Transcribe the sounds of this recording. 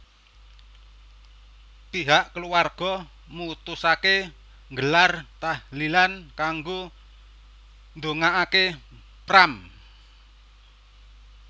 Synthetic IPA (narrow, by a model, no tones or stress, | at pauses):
piɦaʔkəluwarɡ̥ɔ | mut̪usake | ŋɡəlart̪ahlilankaŋɡo | nd̪oŋaʔake | pram